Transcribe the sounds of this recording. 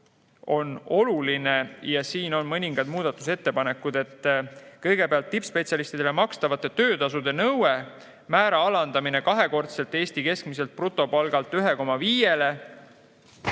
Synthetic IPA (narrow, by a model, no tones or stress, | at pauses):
o̞no̞lulinejɑsiːno̞nmɤnʲiŋɡ̥ɑd̪muːd̪̥ɑt̪ːˑuse̞t̪ːe̞pɑne̞kːˑud̪̥e̞t̪ːˑkɤjɡ̥e̞peɑlt̪ːipspe̞t̪sʲiɑlist̪id̪elemɑkst̪ɑvɑt̪ːˑe̞t̪øːt̪ɑsud̪̥e̞nɤwe | mæːɾɑɑlɑnd̪̥ɑmine̞kɑɦe̞ko̞rt̪se̞lt̪ːˑe̞ːst̪ike̞skmise̞lt̪̚prut̪ːˑo̞pɑlɡ̥ɑlt̪ːˑyɦe̞ko̞mɑviːje̞le̞